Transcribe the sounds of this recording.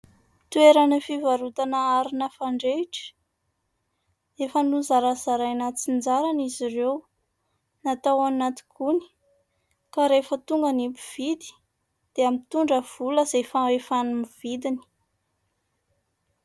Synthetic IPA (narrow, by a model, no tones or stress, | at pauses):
t̪ueɾanəfivaɾut̪anəaɾinəfaɳɖ͡ʐeʈ͡ʂə̥ | efənuzaɾazaɾajnat͡sind͡zaɾanizirew | nat̪awanːat̪i̥kʰuni̥ | kaɾefət̪uŋɡənipu̥v̥id̪i̥ | d̪̥eamit̪uɳɖ͡ʐəv̥uləz̥efaefanumiv̥id̪ini̥